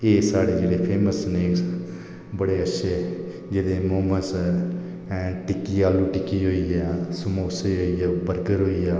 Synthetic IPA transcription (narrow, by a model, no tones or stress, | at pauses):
eːsaːɽeːd͡ʒeːɽeːpʰeːməsneːs | bəɽeːətːʃʰeː | d͡ʒedeːmoːməns | ʈɪkːiːaːlũːʈɪkiːɦoːiːaːsʊmoːseːɦoːiːaːbəɾɡəɾɦoːiːaː